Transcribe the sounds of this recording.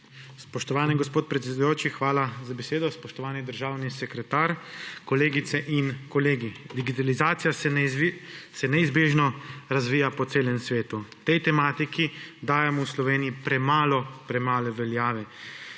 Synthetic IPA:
spɔʃt̪ɔʋaːniɡɔspoːt̪̚pɾɛt̪sɛd̪ujoːt͡ʃixʋaːlazabɛseːd̪ɔspɔʃt̪ɔʋaːnid̪əɾʒaːwnisɛkɾɛt̪aːɾkɔleːɡit̪sɛʔinkɔleːɡid̪iɡit̪alizaːt̪sijaɛ | sɛnɛizbeːʒnɔɾazʋiːjapɔt̪eːlɛmsʋeːt̪ut̪ɛjt̪ɛmaːt̪ikid̪aːjɛmɔwslɔʋeːnijipɾɛmaːlɔpɾɛmaːlɛʋɛljaːʋɛ

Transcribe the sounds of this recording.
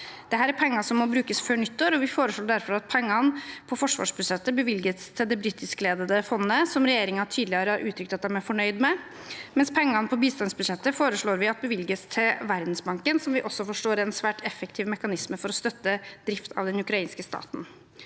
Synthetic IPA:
d̪̥ɛɦæːɾæɾpʰɛŋːɑsɔmːɔbɾʉːkəsføːɳʏt̪ːəɾɔʋɪfoːɾəʂɭoːɖ̪æɾfɔɾɑt̪̚pʰɛŋːɑnpʰɔfɔʂʋɑ̰ːʂbʉʂɛt̪ːəbəʋɪlɡət̪st̪ʰɪld̪ɛbɾɪt̪ːɪskleːd̪əd̪əfɔnːəsɔmɾɛjeːɾɪŋənɑʈʰyːd̪lɪəːɾəɑɾʔʉːt̪ʰɾʏk̚t̪ɑt̪̚d̪æmæɾfɔɳœʏd̪mɛ | mɛnspʰɛŋːɑnpʰɔbiːst̪ɑnsbʉd̪ʂɛt̪ːəfoːɾəʂɭoːɾʋɪɑt̪̚bəʋɪlɡəst̪ʰɪlʋæɾd̪n̩sbɑŋkənsɔmʋɪʔɔsːɔfɔʂʈoːɾɛnsʋæːʈɛfək̚t̪ʰiːʋmɛkɑnɪsməfɔɾɔst̪œt̪ːəd̪̥ɾɪft̪ʰɑ̰ʋd̪ɛnʉkɾɑiːnskəst̪ɑ̰ːt̪n̩

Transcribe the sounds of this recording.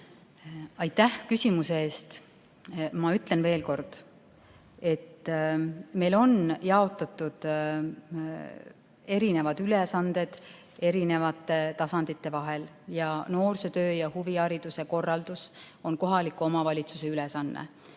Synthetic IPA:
ɑjt̪ːæhkysʲimuseeːst̪ | mɑyt̪ˑle̞nve̞ːlko̞rd̪̥ | e̞t̪ː | me̞jlo̞njɑo̞t̪ːˑɑt̪ːˑud̪̥ | e̞ɾine̞vɑd̪̥ylesɑnd̪e̞d̪̥ | e̞ɾine̞vɑt̪ːˑe̞t̪ɑsɑnd̪̥it̪ːˑe̞vɑɦe̞l | jɑno̞ːrset̪øːjɑhuviɑɾid̪use̞ko̞rːɑld̪̥uso̞nko̞ɦɑlikːuo̞mɑvɑlʲit̪suse̞ylesɑnːḛ

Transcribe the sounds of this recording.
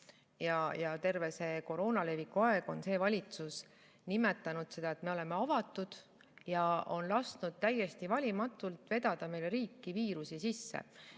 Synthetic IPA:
jɑjɑt̪e̞rve̞se̞ko̞ɾo̞ːnɑle̞vikːuɑe̞ɡ̥o̞nse̞ːvɑlʲit̪sus | nime̞t̪ːˑɑnud̪̥se̞d̥̪ɑe̞t̪me̞o̞le̞me̞ɑvɑt̪ːˑud̪̥ | jɑo̞nlɑst̪nud̪̥̚t̪æje̞st̪ivɑlʲimɑt̪ːˑult̪ve̞d̪̥ɑd̪̥ɑme̞jlɾiːkːiviːɾusisisːe̞̰

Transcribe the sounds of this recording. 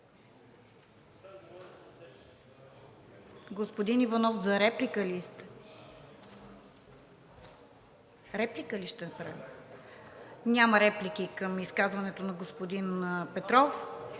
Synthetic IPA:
ɡospod̪inivɐnɔfzɐɾɛplikəlist̪ | ɾɛplikəliʃt̪ɛnɐpɾa̰vʲi | nʲaməɾɛplikʲikəmiskazvɐnɛt̪onɐɡospod̪inpɛt̪ɾɔf

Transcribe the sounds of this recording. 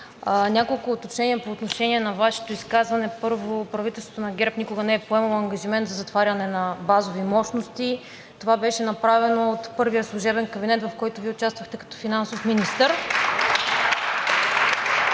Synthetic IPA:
nʲakolˠkʊːt̪ot͡ʃnɛniɐpoːt̪noʃɛniɛnɐvaʃɛ̥t̪oiskazvɐnɛpɤɾvopɾɐvit̪ɛlˠst̪vot̪onɐɡɛɾpnikʊɡɐnɛɛpoɛmɐlˠoɐŋɡɐʒimɛnt̪zɐzɐt̪vaɾʲɐnɛnɐbazovimɔʃnost̪i | t̪ovabɛʃɛnɐpɾavɛnoːt̪pɤɾvijəslˠuʒɛbɛnkɐbinɛt̪vɐfkɔjt̪ʊviɛʊt͡ʃast̪vɐxt̪ɛkɐ̥t̪ɔ̥finansofminist̪əɾ

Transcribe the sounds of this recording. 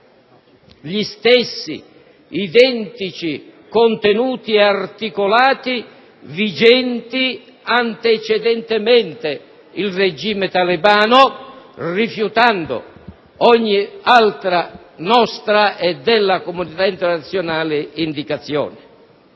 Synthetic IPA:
ʎist̪ɛsːḭ | id̪ɛnt̪it͡ʃikont̪enuːt̪iɛart̪ikolaːt̪i | vid͡ʒɛnt̪i | ant̪et͡ʃɛd̪ɛnt̪ɪmɛnt̪e | ilred͡ʒiːmet̪alibaːnʊrifjut̪and̪ʊ̰ | ɔɲːialt̪ɾa | nɔst̪ɾaʔɛd̪ɛlːakomunit̪aint̪ɛrnat̪sːjonaːlɪind̪ikat̪sːjɔ̰ːnɪ

